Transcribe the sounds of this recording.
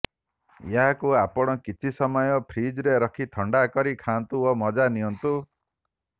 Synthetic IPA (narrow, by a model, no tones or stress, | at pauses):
jaɦakuapɔɽ̃ɔkit͡ʃʰisɔmɔjɔpʰɾid͡ʒɾeɾɔkʰit̪ʰɔɳɖakɔɾikʰant̪uomɔd͡ʒaniɔnt̪u